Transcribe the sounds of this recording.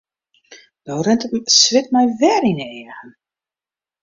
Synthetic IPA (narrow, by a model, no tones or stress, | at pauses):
d̥oːrɪntətsʋɪtmɛjvɛɾinəɛəɣən